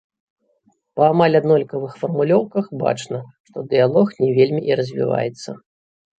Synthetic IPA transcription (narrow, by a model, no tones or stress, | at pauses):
pɐːmalʲad̪nɔlʲkɐvɨxfɐrmulʲɔwkɐxba̰t͡ʂnɐʂt̪ɔd̪ɨjalˠɔxnʲɛvʲelʲmʲiʔiɾɐzʲvʲḭva̰jɛt̪sːɐ̰